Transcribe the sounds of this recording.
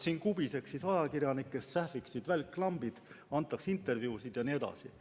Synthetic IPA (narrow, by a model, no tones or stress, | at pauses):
siːnkub̥ise̞ksːisɑjɑkirjɑnikːessæhviksid̪̥vælʲkːlɑmb̥id̪̥ɑnt̪ːˑɑksint̪ːˑe̞rvjuːsid̪̥jɑnie̞d̪̥ɑ̰si